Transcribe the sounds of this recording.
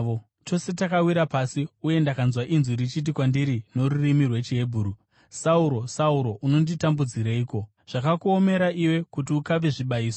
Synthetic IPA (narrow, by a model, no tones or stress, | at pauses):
o | to̞se̞takawiɾapasiuje̞ndakanzwaʔinziɾit͡ʃit̬ikwandiɾino̞ɾurimirwe̞t͡ʃiɦe̞bʱuːɾu | sauɾo̞sauɾo̞ʔuno̞nditambud͡ziɾaiːko̞ | ʐ̥akakuome̞ɾaʔiwe̞kutiukaʋe̞ʐiɓaiːso